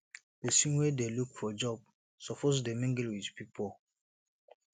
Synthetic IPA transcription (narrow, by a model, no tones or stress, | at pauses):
d̥əsĩnwedelukfɔd͡ʒɔb̚ | sɔpʰɔs̬demĩŋɡəlwidpipol